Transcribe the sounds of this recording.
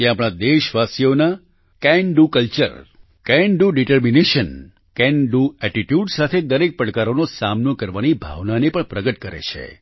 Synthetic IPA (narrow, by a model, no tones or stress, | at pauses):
eapɽ̃ad̪eʃʋasijona | kɛ̃ɳɖukəlt͡ʃə̰ɾ | kɛ̃ɳɖuɖiʈəɾmineʃən | kɛ̃ɳɖuɛʈiʈjuɖsat̪ʰed̪əɾek̚pəɽkaɾonosamnokəɾʋanibʱa̰ʋnanepəɳpɾəɡət̪̚kəɾḛt͡ʃʰḛ